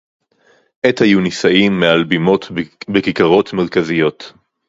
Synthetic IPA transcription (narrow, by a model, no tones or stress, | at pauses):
ʔetajunisaimːealbimo̞t̪bekikaʁo̞t̪me̞ʁkazijo̞t